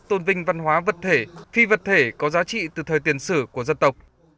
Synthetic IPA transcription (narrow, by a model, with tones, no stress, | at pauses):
t̪o˧nvï˧ŋ̟va˧nɦwaː˨˦və˨˩t̚t̪ʰe˧˩fi˧və˨˩t̚t̪ʰe˧˩kɔ˨˦zaː˨˦t͡ɕḭ˧˨t̪ɨ˨˩t̪ʰəː˨˩jt̪i˧˩ənsɨ̰˧˩ku˧˩əzə˧nt̪ə˨˩wk͡p̚